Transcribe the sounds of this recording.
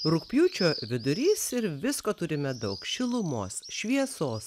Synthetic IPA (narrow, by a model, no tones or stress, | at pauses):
ɾʊkpʲjuːt͡ʃʲoːʋʲɪd̪ʊɾʲiːsɪɾʋʲɪskoːt̪ʊɾʲɪmʲɛd̪ɐʊkʃʲɪlˠʊmoːsʃʲʋʲiɛsoːs